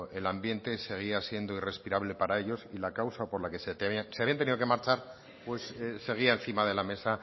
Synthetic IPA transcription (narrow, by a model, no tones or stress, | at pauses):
e̞lambje̞nt̪e̞se̞ɣ̞iasje̞nd̪o̞ire̞spiɾaβle̞paɾae̞ʎo̞silakawsapo̞ɾlake̞set̪ianseaβiant̪eniðo̞ke̞maɾt͡ʃaɾ | pwe̞sse̞ɣ̞iaenθimað̞e̞lame̞sa